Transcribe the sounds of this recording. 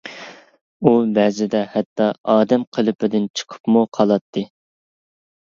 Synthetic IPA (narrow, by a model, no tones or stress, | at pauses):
ubɛzɪd̪ɛhɛt̪ʰːɑɑːd̪ɛmqʰəlˠɨpʰɪd̪ɪnt͡ʃʰə̥qʰə̥pmuqʰɑlˠɑt̪ʰːɨ